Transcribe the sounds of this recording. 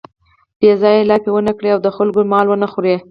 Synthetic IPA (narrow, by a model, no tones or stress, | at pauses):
b̥ezɑjelɑkewənakɽeawd̪əxʊlɡomɑlwənaxuɾe